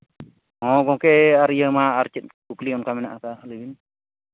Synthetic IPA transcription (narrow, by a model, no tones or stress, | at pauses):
hɔ̃ɡɔ̃kɛaɾijəmaːɾt͡ʃit̪̚kukliɔnkamɛnaʔakalibin